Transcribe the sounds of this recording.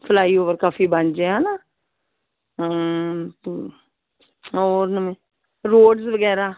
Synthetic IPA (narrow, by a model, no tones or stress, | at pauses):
pʰəlaːiːoːʋəɾkaːfiːbənd͡ʒeːɦɛ̃ːnaː | oːɾnəmẽː | ɾoːɖsʋəɡɛːɾaː